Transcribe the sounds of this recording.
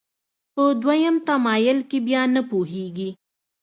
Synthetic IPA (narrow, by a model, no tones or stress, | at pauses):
pəd̪wajəmt̪amɑjʊlkebjɑnəpoɦeɡi